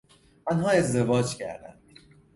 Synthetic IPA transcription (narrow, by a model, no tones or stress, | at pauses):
ʔɒnɦɒːe̞zd̪e̞vɒːd͡ʒcæ̰ɾd̪æ̰nd̪̥